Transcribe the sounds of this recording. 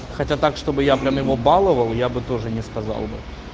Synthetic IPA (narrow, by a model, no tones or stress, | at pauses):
xɐtʲat̪akʂt̪o̞bɨjapɾʲamjɪvo̞balˠəvəlˠjabɨt̪o̞ʐɨnʲɪskɐzɑ̰lˠbɨ